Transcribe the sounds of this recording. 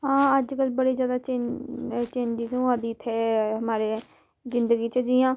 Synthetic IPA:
ɦãːəd͡ʒkəlbəɽiːzjaːd̪at͡ʃe | t͡ʃeːɲd͡ʒɪzũãːd̪iːt̪ʰɦɛːɦəmaːɾe | zɪ̃nd̪əɡiːt͡ʃəd͡ʒijãː

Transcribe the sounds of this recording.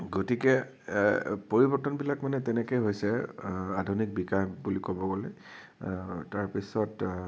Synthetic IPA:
ɡotikɛ | poɹibɔɹtɔnbilakmanɛtɛnɛkejɦojsɛadʱunik̚bikajbulikobɔɡolɛ | taɹpisɔt

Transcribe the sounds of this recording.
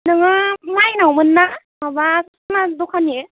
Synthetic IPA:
nɯŋamajnawmɯnːa | babas | madokʰane

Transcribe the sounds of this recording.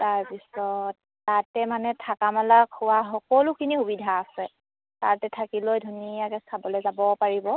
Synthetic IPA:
taɹpisɔtːatɛmanɛtʰakamalakʰːʊwaɦɔkɔlukʰinixubidʱaːsɛ | tatɛtʰakilojdʱunijakɛsabɔlɛzabɔpaɹibɔ

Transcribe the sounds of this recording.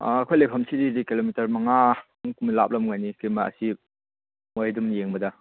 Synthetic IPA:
kʰojlepʰɐmsididikilomitɐɾmɐŋa | ŋkumilap̚lɐmŋajnikimɐɐ̰si | mojadumjeŋbɐdɐ

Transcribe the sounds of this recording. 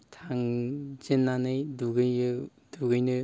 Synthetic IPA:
tʰaŋd͡ʒenːanɯjduɡɯjɯ | duɡɯjnɯ

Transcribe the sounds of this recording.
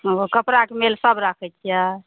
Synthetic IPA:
ɦokəpɾakemelsəbɾakʰɛt͡ʃ̪ʰija

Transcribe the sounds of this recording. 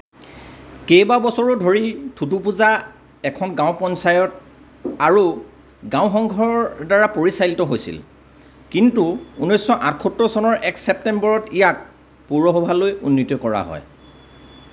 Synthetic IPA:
kejbabɔsɔɹɔdʱoɹitʰutupuza | ɛkʰɔnɡãʊpɔnsajɔt̚ | aɹu | ɡãʊ̃xɔŋɡʱɔɹɔɹdaɹapoɹisajltɔɦojsḭl | kintuunɔjsːɔʔatʰkʰɔtɹɔsɔnɔɹʔɛksɛp̚tɛmbɔɹɔtijak̚ | puɹɔɦɔbʱalojunːitjɔkɔɹa̰ɦɔ̰j

